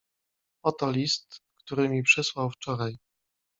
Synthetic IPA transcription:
ɔt̪ɔlʲist̪kt̪uɾɘmʲipʂɛswawft͡ʂɔɾaj

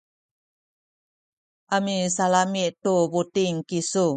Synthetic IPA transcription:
ʔamisalamiʔt̪ubutiŋkisu

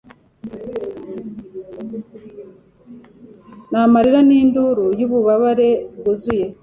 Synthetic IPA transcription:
namaɾiɾaniːnduɾujuːβuβaβaɾe̞ɡuzuje̞

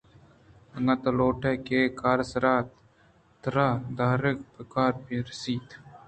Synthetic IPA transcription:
ɐŋɡat̪ɐloːʈekekaːɾsɐɾaːt̪ | t̪ɐɾaːd̪aːɾɪk̚pəkaːɾbiɾɐsiːd̪

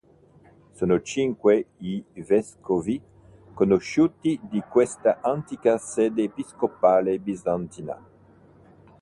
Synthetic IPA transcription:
sonot͡ʃiŋkweivɛskovi | konoʃut̪id̪ikwest̪aʔant̪ikaseːd̪eːpiskopaːlebizant̪ina̰

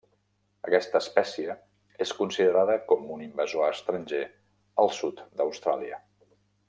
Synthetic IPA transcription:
ə̰kɛst̪əːspɛsiə | eskunsiðəɾaðəkɔmunimbəzoaəst̪ɾənʲʒe | əlˠsut̪d̪əwst̪ɾa̰liə̰

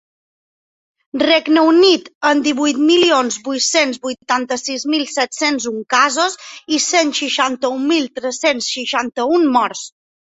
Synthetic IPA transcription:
rɛɡnəunit̪ənd̪iβujt̪milionzbujt̪senzbujt̪ant̪əsizmilˠsɛt̪senzuŋkazozisenʃiʃant̪əumilˠt̪ɾəsensʃiʃant̪əummɔɾs

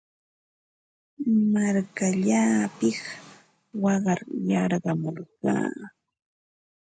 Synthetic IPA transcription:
maɾkaʎaːpɪχ | wɑɢɑɾjɑɾɢɑmoɾɢɑ̰ː

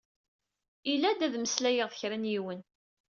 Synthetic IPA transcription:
ilːæd̪æðməslæjəʁθəçɾænjiwən

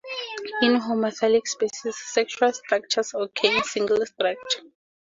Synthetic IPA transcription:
ĩnɦomaθɛlikspesisːɛkt͡ʃualstrak̚t͡ʃʰasɔkʰensĩŋɡlstrak̚t͡ʃʰḁ

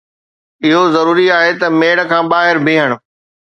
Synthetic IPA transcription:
ɪɦozɐɾuːɾiaːɦet̪ɐmeːɽkʰãːɓaːɦɪɾbʱĩːɦəɽ̃ʊ̆

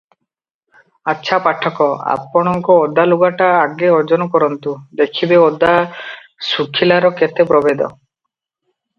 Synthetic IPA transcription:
atːʃʰapaʈʰːɔkɔa̰pɔɽ̃ɔŋkɔod̪ːaluɡaʈaːɡeɔd͡ʒɔnɔkɔɾɔnt̪ud̪ekʰibeod̪ːa | sukʰːilaɾɔket̪epɾɔbed̪ɔ̰

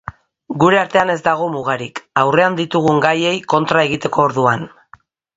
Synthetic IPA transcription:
ɡuɾe̞aɾt̪e̞ane̞zd̪aɣ̞o̞muɣ̞aɾikawre̞and̪it̪uɣ̞uŋɡaje̞jko̞nt̪ɾae̞ɣ̞it̪e̞ko̞ːɾðuan

